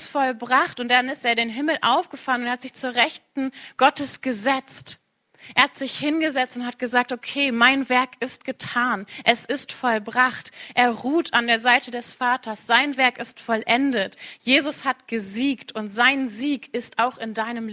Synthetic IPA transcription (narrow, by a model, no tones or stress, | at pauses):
fɔlbʁaχtʊntdanɪsteːɐdeːnɦɪml̩ʔa̰ʊfɡ̥əfalənʊnhatz̥ɪçt͡suːɐʁɛçtn̩ɡ̥ɔtəsɡ̥əzɛt͡st | ʔeːɐhatz̥ɪçhɪnɡəzɛt͡stʊnthat̚ɡ̥əzaːk̚tokʰeːmaɪnvɛɐkɪst̚ɡ̥ətʰaːnʔɛsɪstfɔlbʁaχtʔeːɐʁuːtʰandeːɐzaɪtədɛsfaːtʰɐsz̥aɪnvɛɐkɪstfɔlʔɛndətjeːzʊshatɡ̥əziːktʊntz̥aɪnziːkɪstaʊxɪndaɪnəm